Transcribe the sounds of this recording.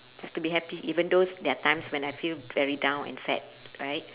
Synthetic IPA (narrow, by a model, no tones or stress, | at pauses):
d͡ʒastubiɦɛpiʔivə̃ndodɛatãɪ̃mswɛ̃najfilvɛɹidãw̃nɛ̰̃nfɛ̰t̚ɹaɪt̚